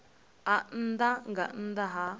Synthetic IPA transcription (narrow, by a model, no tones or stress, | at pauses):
an̩daŋɡan̩daɦa